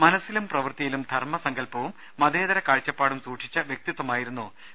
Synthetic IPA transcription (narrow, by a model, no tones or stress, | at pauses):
mɐnɐsːilumprɐʋɨrt̪ijilumd̪ʱɐrmɐsɐŋɡɐlpɐʋumːɐd̪eːðɐɾɐkaːɻt͡ɕːɐpːaːɽumsuːʈʂi̥t͡ɕːɐʋjek̚t̪it̪ːɐmaːjiɾun̪ːu